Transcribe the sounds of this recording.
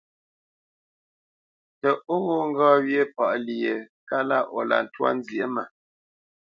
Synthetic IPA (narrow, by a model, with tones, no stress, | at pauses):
tə˨ʔo˦ɣo˦˨ŋ̩˦ɡɔː˦wje˦˨pa˨ʔli˨e˨ | ka˦la˦˨ʔɔ˨la̰˨n̩˨twa̰˦n̩˦zje˦ma˨